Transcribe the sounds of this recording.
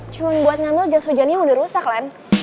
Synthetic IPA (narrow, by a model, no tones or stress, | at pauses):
t͡ʃuaŋbuat̪̚ɲambɪld͡ʒasud͡ʒanaudaɾusaklan